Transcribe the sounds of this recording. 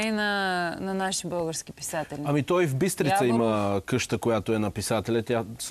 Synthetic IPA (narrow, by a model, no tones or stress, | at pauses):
inɐnɐnaʃi̥bɤlˠɡəɾskʲipi̥sat̪ɛlʲɐmit̪ɔjvbist̪ɾit̪sɐiməkɤʃt̪əkojat̪oɛnɐpisat̪ɛlʲɛt̪ʲjas